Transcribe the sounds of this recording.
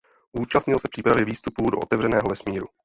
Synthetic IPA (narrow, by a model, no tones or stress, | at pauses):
ʔuːt͡ʃast̪ɲɪlsɛpr̥iːpɾavjɛviːst̪upuːdo̞ʔot̪ɛvr̝ɛnɛːɦovɛsmiːɾu